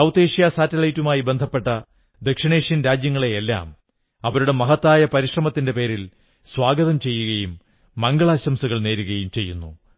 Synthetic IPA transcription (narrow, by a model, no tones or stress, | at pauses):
sɐwt̪eːʂijasaːtːɐlɐjtːumaːjibe̞nd̪ʱɐpːe̞ʈːɐ | d̪ekʂiɳe̞ːʂjɐnɾaːd͡ʑjɐŋːɐɭeːlːa̰ːm | ɐʋɐɾuɽe̞mɐɦɐt̪ːaːjɐpɐɾiʂrɐmɐt̪ːinde̞pe̞ːɾil | swaːɡɐðɐmt͡ɕe̞jːuɣɐjumː | ɐŋɡɐɭaːɕɐmsuɣɐɭne̞ːɾuɣɐjumt͡ɕe̞jːunːṵ